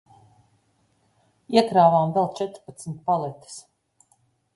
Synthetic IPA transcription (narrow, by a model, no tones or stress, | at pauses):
iɛkɾaːvaːmd̪ɛlˠt͡ʃɛt̪ɾpat̪smʲt̪̚palˠɛt̪i̥s